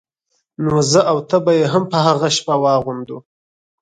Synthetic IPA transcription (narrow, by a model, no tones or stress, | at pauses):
nozəʔawt̪əbajeɦampəɦaɣaʃpawɑɣund̪u